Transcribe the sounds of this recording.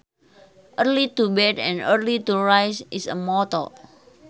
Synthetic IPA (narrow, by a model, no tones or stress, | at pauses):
ʔərlit̪ubɛt̪ɛ̃nərlit̪uɹajsʔisəmɔt̪ɔ̰